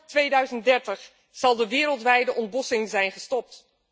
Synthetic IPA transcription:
tʋejdœɥzənt̚dɛɹtəχ | z̥ɑlˠdəʋɪːɾəlˠtʋɛjdəʔɔndbɔsɪŋzɛjnχəstɔp̚t

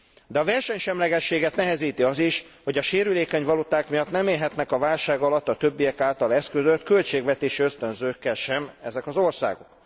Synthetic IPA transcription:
d̪ɛɒvɛrʃɛɲʃɛmlɛɡɛʃːeːɡɛt̪nɛɦɛziːt̪iɒziʃ | ho̞ɟɒʃeːɾyleːkɛɲvɒlut̪aːkmijɒt̪nɛmeːlɦɛt̪nɛkɒvaːlʃaːɡɒlɒt̪ːɒt̪øbːijɛkaːlt̪ɒlɛskøzøt̪kølt͡ʃeːɡvɛt̪eːʃiøst̪ønzøːkːɛlʃɛmɛzɛkɒzo̞rsa̰ːɡo̞k

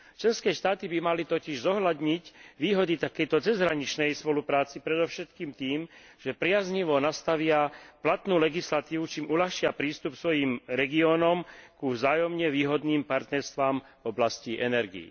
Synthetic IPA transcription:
t͡ʃlɛnskɛːʃt̪aːt̪ibimalit̪ɔciʒzɔɦlad̪ɲicʋiːɦɔd̪it̪akɛjt̪ɔt͡sɛzɦɾaɲit͡ʃnɛjspɔlupɾaːt͡sipɾɛd̪ɔʊʃɛt̪kiːmt̪iːmʒ̥ɛpɾɪazɲiʋɔnast̪aʋɪaplat̪nuːlɛɡislat̪iːʋut͡ʃiːmulaxʃɪapɾiːst̪upsʋɔjiːmɾɛɡiɔːnɔmkuvzaːjɔmɲɛʋiːɦɔd̪niːmpaɾt̪nɛɾst̪ʋaːm | vɔblasciʔɛnɛɾɡḭḭ

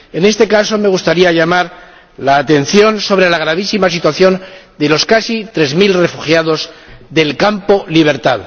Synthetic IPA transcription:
e̞ne̞st̪e̞kaso̞me̞ɣ̞ust̪aɾiaʎamaɾ | laːt̪e̞nθjo̞nso̞β̞ɾe̞laɣ̞ɾaβ̞isimas̬it̪waθjo̞nd̪e̞lo̞skasit̪ɾe̞zmilre̞fuxjaðo̞zðe̞lkampo̞liβ̞e̞ɾt̪að

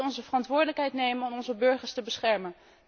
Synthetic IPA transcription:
ɔnzəvərɑntʋʊːɹdələkɦɛjtnejmənɔmɔnzəbɵɹχəɹstəbəsχɛɹmən

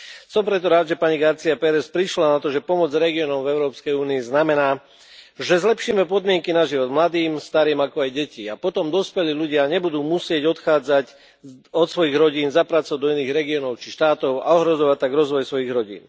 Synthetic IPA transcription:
sɔmpɾɛt̪̬ɔɾaːd̪ʒɛpaɲiɡaɾt͡siapɛɾɛspɾiʃlanat̪ɔʒɛpɔmɔd͡zɾɛɡiɔnɔmvɛʊɾɔːpskɛjuːniːznamɛnaː | ʒɛzlɛpʃiːmɛpɔd̪mɪɛŋkinaʒiʋɔd̪mlad̪iːmst̪aɾiːmakɔajɟɛciːapɔt̪ɔmd̪ɔspɛliːluɟɪaɲɛbud̪uːmusɪɛɟɔt̪xaːd͡zac | ɔt̪sʋɔjiɣɾɔɟiːnzapɾat͡sɔʋad̪ɔiniːɣɾɛɡiɔnɔʊt͡ʃiʃt̪aːt̪ɔʊa̰ɔɦɾɔzɔʋat̚t̪ːaɡɾɔzʋɔjsʋɔjiɣɾɔɟḭːn

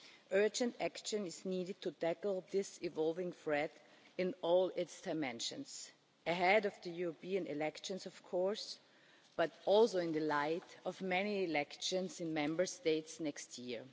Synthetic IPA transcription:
ʔɜ˞d͡ʒɨ̃ntækʃɨ̃nɪzniːɾɨd̚tʰutækl̩ˠðɪsɪvɔlˠvɪ̃ŋfɹɛɾɪ̃nɔlɪtsd̥aɪmɛ̃nʃɨ̰̃ns | ʔɨɦɛɾʌvðɨjuɹɔpiɨ̃nɪ̰lɛkʃɨ̃nsɔv̥kʰɔɹs | b̥ʌɾɔlˠsoʊɪ̃ndðɨlaɪtɔvmɛniɪlɛkʃɨ̃nsɪ̃nmɛ̃mbə˞steɪtsnɛkstʰjiɹ

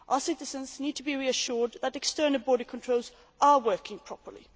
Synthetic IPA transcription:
ʔaəsɪɾɪzə̃nzniːd̚tʰəbiɹiəʃʊɹd̪ðəɾɛkstɜ˞nəl̩ˠbɔɹɾəkʰə̃ntʰɹ̥oʊlˠz | ʔəwɜ˞kɪ̃ŋpʰɹ̥ɔpə˞lḭ

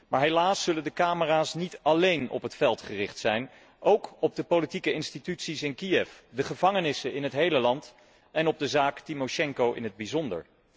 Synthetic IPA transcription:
maːɹɦelaːsːɵləndəkaːməraːsnitɑlejnɔ̰pɦətfɛlˠtχərɪχtsɛjn | ʔowkɔb̚dəpolitikəɪnstitytsisɪnkiɛfdəχəvɑŋənɪsəɪnɦətɦejləlɑnt | ɛnɔb̚dəzaːktimoʃɛŋkowʔɪ̰nɦəd̚bizɔndə̰ɹ

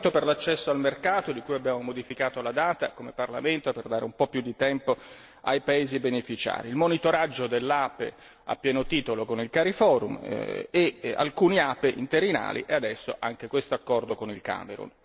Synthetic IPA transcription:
t̪operlat͡ʃːɛsːoalmerkaːt̪od̪ikujabːjaːmomod̪ifikaːt̪olad̪aːt̪a̰komeparla̰ment̪operd̪aːɾḛumpɔpːjud̪it̪ɛmpo | a̰jpaeːzibenefit͡ʃa̰ːɾiːlmonit̪oɾad͡ʒːod̪elːapḛ | a̰pːjɛːnot̪iːt̪olokonilkaɾifɔːɾumea̰lkuːniapeʔḭnt̪eɾina̰ːlḭʔɛad̪ɛsːo̰ʔaŋkekwest̪oakːɔrd̪okonilka̰ːmḛɾṵn

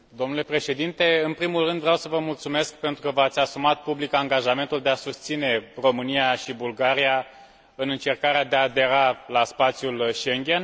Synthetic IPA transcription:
d̪o̞mnule̞pɾe̞ʃe̞d̪int̪e̞ɨnpɾimulrɨnd̪vɾeawsəvəmult̪sume̞skpe̞nt̪ɾukəvat̪sʲasumat̪̚publikaŋɡaʒame̞nt̪uld̪easust̪sine̞ro̞mɨnijaʃibulɡaɾija | ɨnɨnt͡ʃe̞rkaɾead̪eaːd̪e̞ɾalaspat̪sjulʃe̞ŋɡʲe̞n

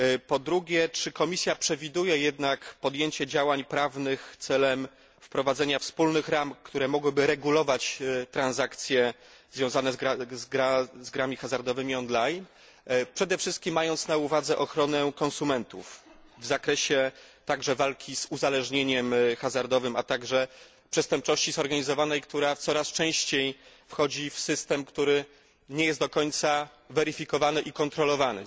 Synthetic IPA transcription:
pɔd̪ɾuɡʲjɛt͡ʂɘkɔmʲisʲjapʂɛvʲid̪ujɛjɛd̪nakpɔd̪jeɲt͡ɕɛd͡ʑawaɲpɾavnɘxt̪sɛlɛm | fpɾɔvad̪zɛɲafspulnɘxɾamkt̪uɾɛmɔɡwɘbɘɾɛɡulɔvat͡ɕt̪ɾanzakt̪sʲjɛ | zvʲjɔ̃w̃zanɛzɡɾazɡɾazɡɾamʲixazaɾd̪ɔvɘmʲiɔnlajn | pʂɛd̪ɛfʂɘst̪̚kʲimːajɔnt̪sn̪auvad̪zɛʔɔxɾɔnɛkɔnsumɛnt̪ufvzakɾɛɕɛt̪aɡʐɛvalkʲiz̥uzalɛʐɲeɲɛmxazaɾd̪ɔvɘmat̪aɡʐɛ | pʂɛst̪ɛmp̚t͡ʂɔɕt͡ɕizɔɾɡaɲizɔvanɛjkt̪uɾat̪sɔɾast͡ʂɛ̃w̃ɕt͡ɕej | fxɔd͡ʑifsɘst̪ɛmkt̪uɾɘ | ɲɛjɛst̪d̪ɔkɔɲt̪sa | vɛɾɘfʲikɔvanɘʔikɔnt̪ɾɔlɔvanɘ̰

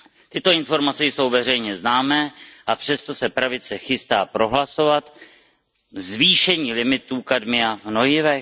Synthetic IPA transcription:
t̪ɪt̪o̞ɪnfo̞ɾmat͡sɛjso̞wvɛrɛjɲɛznaːmɛːʔapr̥ɛst̪o̞sɛpɾavɪt͡sɛxɪst̪aːpɾo̞ɦlaso̞vat̪ | zviːʃɛɲiːlɪmɪt̪uːkadmɪavno̞jɪvɛ

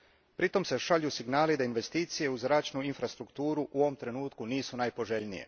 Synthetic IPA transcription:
pɾit̪o̞mse̞ʃaʎjusiɡnaːlid̪ainʋe̞st̪iːt̪sije̞uzɾaːt͡ʃnuinfɾast̪ɾukt̪uːɾuʔuoʋomt̪ɾe̞nuːt̪kuniːsunajpo̞ʒe̞ʎnijḛ

